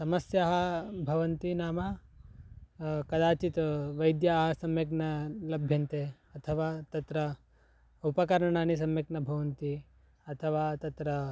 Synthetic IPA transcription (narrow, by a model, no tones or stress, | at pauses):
sɐmɐsjaːɦɐbʱɐʋɐnt̪inaːma | kɐd̪aːt͡ʃit̪ʋɐjd̪jaːɦɐsɐmjɐknɐlɐbʱjɐnt̪e | ɐt̪ʰɐʋaːt̪ɐt̪ɾɐ | upɐkɐɾɳaːnis̬ɐmjɐknɐbʱɐʋɐnt̪i | ɐt̪ʰɐʋaːt̪ɐt̪ɾɐ